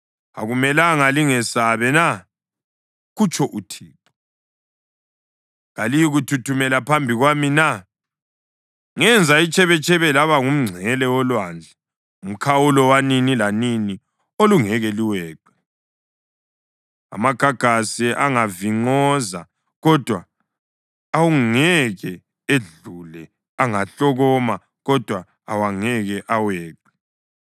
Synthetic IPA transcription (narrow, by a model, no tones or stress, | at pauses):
a̰ɣumɛlaŋaliŋɛsaβɛna | ɣut͡ʃʰɔʔutʰiːǃɔ | ŋalijiɣutʰutʰumɛlapʰambʱiɣwamina | ŋɛnd͡zʱait͡ʃʼɛβɛt͡ʃʰʼɛβɛlaβaŋum̩ŋ͡ǀʱɛlɛwɔlwand͡ɮʱɛ | um̩kʰawulɔwaninilanini | oluŋɛɣɛliwɛːǃɛ | a̰maɡ̥ʱaɡ̥ʱasiʔaŋaviŋ͡ǀɔza | ɣɔd̥ʱwa | wuŋɛɣɛ | eɮulɛ | aŋaɬɔɣɔma | ɣɔd̥ʱwa | awaŋɛɣɛʔawɛːǃɛ